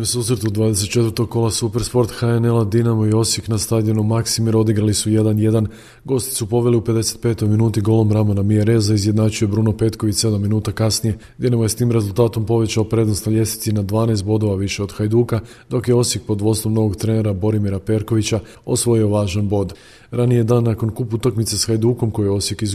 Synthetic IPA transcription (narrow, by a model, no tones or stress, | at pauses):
nusuːsɾe̞t̪ud̪ʋaːd̪e̞se̞t̪̚t͡ʃet̪vəɾt̪o̞ɡ̚ko̞lˠasupe̞ɾspo̞ɾt̪xaene̞lad̪inamojeo̞sjiknast̪ad̪ʲenumaksimiɾo̞d̪iɡɾalisuje̞d̪anje̞d̪an | ɡo̞ːst̪i̥supo̞ʋeliupe̞d̪e̞se̥t̪̚pe̞ːt̪o̞jminuːt̪iɡo̞ːlˠo̞mɾamonamieɾe̞zaizje̞d̪naːt͡ʃuje̞bɾuːno̞pe̞t̪ko̞ʋit͡ɕse̞d̪amːinuːt̪akasnije | ɡ̪ʲje̞namoje̞st̪iːmɾe̞zulˠt̪aːt̪o̞mpo̞ʋe̞t͡ɕaopɾe̞d̪no̞st̪naʎʲe̞st̪i̥t̪sinad̪ʋaːneːst̪bo̞d̪o̞ʋaʋiʃe̞o̞d̪xajd̪uːka | d̪o̞kje̞o̞sjek̚po̞d̪ʋo̞st̪o̞mno̞ʋo̞ɡt̪ɾene̞ɾabo̞ɾimiɾape̞ɾko̞ʋit͡ɕa | osʋo̞jio̞ʋaːʒanbo̞d̪ | ɾanije̞d̪aːnːako̞nkupuut̪akmit̪sesxajd̪uːko̞mko̞jijeo̞sjekiz